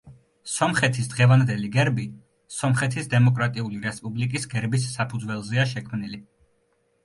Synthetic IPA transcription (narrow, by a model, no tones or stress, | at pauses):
sɔmχɛt̪ʰisd̪ʁɛvand̪ɛliɡɛɾbi | sɔmχɛt̪ʰisd̪ɛmɔkʼɾat̪ʼiuliɾɛspʼublikʼisɡɛɾbisːapʰud̪zwɛlˠzɛaʃɛkʰmnili